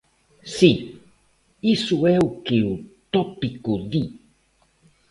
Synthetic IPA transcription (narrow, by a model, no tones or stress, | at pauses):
si | isueukiut̪opikuði